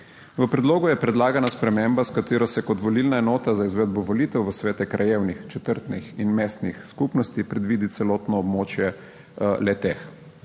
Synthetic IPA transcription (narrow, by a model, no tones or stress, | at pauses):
ʋəpɾɛd̪loːɡujɛpɾɛd̪laːɡanaspɾɛmembaskat̪eːɾɔsɛkɔt̪ʋɔlilnaɛnɔːt̪azaizʋɛd̪bɔʋɔlit̪ɛwʋəsʋeːt̪ɛkɾajeːwnixt͡ʃɛt̪əɾt̪nixinmeːst̪nixskupnɔst̪ipɾɛd̪ʋiːd̪it̪sɛlɔt̪nɔːbmoːt͡ʃjɛ | lɛt̪ex